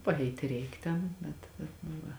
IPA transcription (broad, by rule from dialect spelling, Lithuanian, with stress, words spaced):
pɐˈɛɪtʲɪ ˈrʲɛɪk ˈtʲɛn bʲɛt bʲɛt nʊ ˈʋɐ